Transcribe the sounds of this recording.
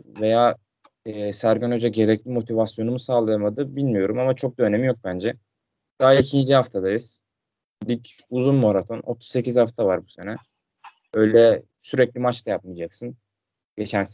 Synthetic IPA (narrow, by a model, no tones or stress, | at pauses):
ve̞jaː | ɛːsæɾɡanod͡ʒaɟe̞ɾɛclʲimo̞t̪ʰivasjo̞numusaːlˠɯjamad̪ɯbilʲmijo̞ɾumamat͡ʃʰo̞k̚d̪aøne̞mijo̞k̚bænd͡ʒɛ | d̪̥aɦaicʰind͡ʒihaft̪ʰad̪ajɯz̥ | lʲic | uzunmo̞ɾat̪ʰo̞no̞t̪ʰu̥sse̞cizhaft̪ʰavaɾbuse̞nɛ | ø̞jlʲɛ | syɾɛclʲimat͡ʃt̪ʰajap̚mɯjd͡ʒaksɯn | ɟe̞t͡ʃʰæns